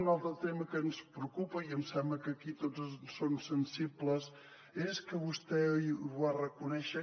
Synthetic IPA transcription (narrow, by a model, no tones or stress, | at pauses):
nalˠt̪ɾət̪eməkənspɾəukupəiəmsɛmbləkəkit̪ozsonsənsibləs | eskəβust̪ɛβarəkunɛʃə